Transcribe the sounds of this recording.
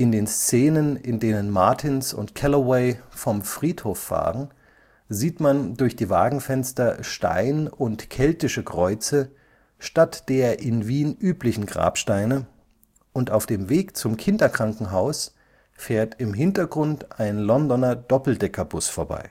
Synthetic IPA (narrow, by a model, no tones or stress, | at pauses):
ʔɪndeːnst͡seːnənɪndeːnənmaɐtʰɪnsʊ̰ntkʰɛlowɛɪfɔmfʁ̥iːthoːfːa̰ːʁən | ziːtmandʊɐçd̥iːva̰ːɡŋ̩fɛnstɐʃta̰ɪnʊntkʰɛltɪʃəkʁ̥ɔʏt͡sə | ʃtatd̥eːɐʔɪnviːnʔyːplɪçn̩ɡʁa̰ːpʃtaɪnə | ʔʊntaʊfd̥eːmveːkt͡sʊmkʰɪndɐkʁ̥aŋkŋ̩ɦaʊs | feːɐtɪmɦɪntɐɡʁʊntʔaɪnlɔndɔnɐd̥ɔpl̩dɛkɐbʊsfoːɐba̰ɪ